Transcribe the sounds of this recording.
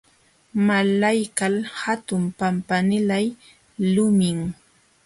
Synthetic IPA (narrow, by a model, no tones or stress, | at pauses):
malajkalhat̪ʊmpampanɪlaj | lʊmɪŋ